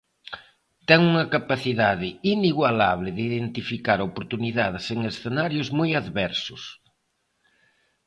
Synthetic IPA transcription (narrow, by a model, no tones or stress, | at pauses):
t̪ɛŋuŋɐkapaθiðaðɪiniɣwalaβ̞lɪðɪiðent̪ifikaɾopoɾt̪uniðaðɪseŋesθenaɾjʊzmojaðβɛɾsʊs